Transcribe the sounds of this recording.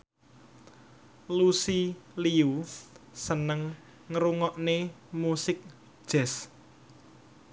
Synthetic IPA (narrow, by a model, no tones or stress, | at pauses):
lusiliusənəŋː | əɾuŋɔʔne | musɪk̚ | d̥ʒ̥ɛ̤s